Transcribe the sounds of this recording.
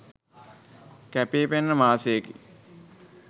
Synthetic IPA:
kæpeːpenːəmaːsejəkḭ

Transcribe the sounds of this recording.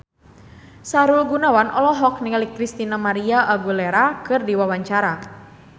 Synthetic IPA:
saɾulɡunawanʔɔ̰lɔɦɔk̚niŋlikːɾist̪inamaɾiaʔaɡuleɾakɨrdiwawaɲt͡ʃaɾa

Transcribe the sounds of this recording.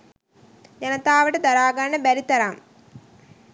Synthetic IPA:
d͡ʒɐnɐt̪aːʋɐʈɐd̪ɐɾaːɡɐɾɐɳəbæɾit̪ɐɾam

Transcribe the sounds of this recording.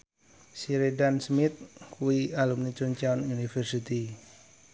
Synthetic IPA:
siɾedansmɪt̪̚kuwialumnit͡ʃunt͡ʃaununifərsit̪i

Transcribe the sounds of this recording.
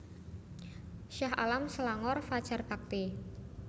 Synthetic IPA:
ʃaɦa̰lamsəlaŋɔrfad̥ʒ̥a̤rb̥a̤k̚t̪e

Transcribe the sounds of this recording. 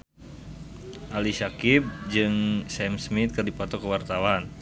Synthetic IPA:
ʔalisakip̚d͡ʒɨŋsɛmsmɪt̪̚kɨrdipɔt̪ɔkəwart̪awan

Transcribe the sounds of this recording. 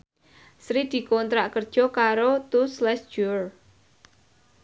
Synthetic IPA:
sɾid̪̥i̤kont̪ɾaʔkərd̥ʒ̥ɔ̤kaɾot̪uslɛsd͡ʒ̥ur

